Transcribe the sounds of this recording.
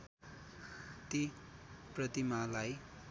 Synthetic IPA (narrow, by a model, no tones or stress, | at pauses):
t̪i | prʌt̪imalaj